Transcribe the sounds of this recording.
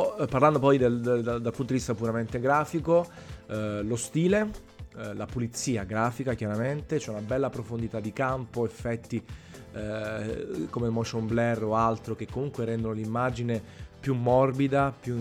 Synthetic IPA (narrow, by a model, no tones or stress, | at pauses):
pːarland̪opɔjd̪eld̪alpunt̪od̪ivist̪apuɾament̪eɡɾaːfiko | lost̪iːle | lapulit̪sːiːaɡɾaːfikakjaɾament̪et͡ʃɛunabɛlːapɾofond̪it̪ad̪ːikampoefːɛt̪ːi | komemoʃomblɛroalt̪ɾokekːomuŋkweɾɛnd̪onolimːad͡ʒinepjumːɔrbid̪apju